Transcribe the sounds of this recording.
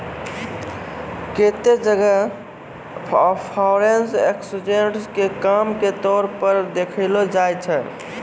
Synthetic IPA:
ket̪ed͡ʒəɡə | pʰpʰaʊɾenseksud͡ʒeɳʈskekamket̪ɔɾpəɾd̪ekʰəlod͡ʒajt͡ʃʰɛ

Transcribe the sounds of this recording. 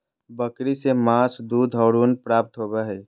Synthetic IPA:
bəkɾisemaːsd̪uːd̪ʱɔʊɾuːnpɾaːp̚t̪ɦobɛɦɛ

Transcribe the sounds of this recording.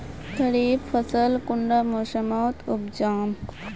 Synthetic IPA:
t̪ɐɾiːbfəsəlkʊɳɖamoːʃəmoːt̪ʊbd͡ʒaːm

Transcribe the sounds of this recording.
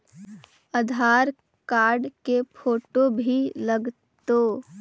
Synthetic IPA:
əd̪ʱaːɾ | kaːɾɖkepʰoːʈobʱiləɡ | t̪oː

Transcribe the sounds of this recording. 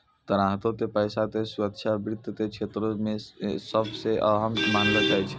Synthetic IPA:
t̪əɾaɦt̪ot̪epəjsat̪esuɾək̚t͡ʃʰabɾit̪ːt̪et͡ʃʰet̪ɾomesəbseʔəɦəmːanləd͡ʒajt͡ʃʰ

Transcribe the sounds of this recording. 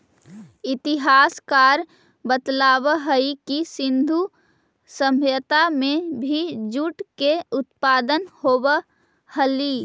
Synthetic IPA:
ɪt̪iɦaːskaːɾ | bət̪laːbəɦəikisɪ̃nd̪ʱu | səmjət̪amẽbʱid͡ʒuʈkeʊt̪paːd̪ənhobə | həli

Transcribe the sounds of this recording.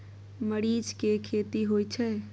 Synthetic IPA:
məɽiːd͡ʒkekʰeːt̪iɦojt͡ʃʰɛ

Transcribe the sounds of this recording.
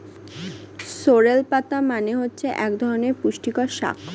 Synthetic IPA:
soɾelpat̪amaneɦotːɕʰeʔɛkd̪ʱɔɾoneɾpuʃʈikoɾʃa̰kʰ

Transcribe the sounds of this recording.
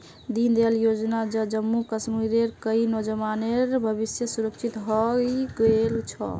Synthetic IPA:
d̪ind̪eljod͡ʒnad͡ʒəd͡ʒəmːukəsmiɾeɾkəinɔd͡ʒəmaneɾbʱəbisjəsuɾəkt͡ʃʰit̪ɦɔɡelt͡ʃʰɔ̰

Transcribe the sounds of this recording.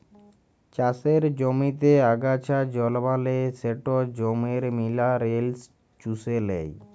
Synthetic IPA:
t͡ɕaseɾd͡ʑomit̪eaɡat͡ɕʰad͡ʑɔlbaleseʈod͡ʑomeɾmilaɾels | t͡ʃuselɛ̰j

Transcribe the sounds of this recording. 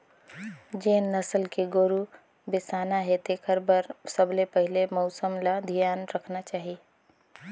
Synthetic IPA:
d͡ʒeːnːəsəlkeɡoːɾu | besaːnaɦɛt̪ekʰəɾbəɾsəblepəɦɪlemɔʊsəmlad̪ʱijaːnɾəkʰnat͡ʃaːɦie

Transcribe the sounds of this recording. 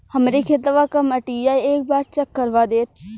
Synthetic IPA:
həmɾekʰet̪ʋakɐməʈijaeːk̚baːɾt͡ʃəkːəɾʋad̪eːt̪̚

